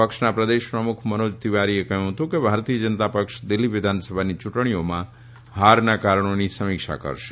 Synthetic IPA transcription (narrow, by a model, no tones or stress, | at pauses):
əkʃnapɾəd̪eʃpɾəmʊkʰmənod͡ʒt̪iʋaɾiekəɦũɦət̪ũkebʱaɾt̪ijəd͡ʒənət̪apəkʃd̪ɪlːiʋɪd̪ʱansəbʱanit͡ʃʊʈɳ̃ijomã | ɦaɾnakaɾəɳ̃onisəmɪkʃa̰kə̰ɾʃe̥